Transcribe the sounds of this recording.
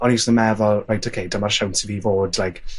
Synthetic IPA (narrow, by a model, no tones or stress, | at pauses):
ɔnisnəmɛðɔlˠrajtʰokʰejdamarʃawntʰɪvivoːdlajk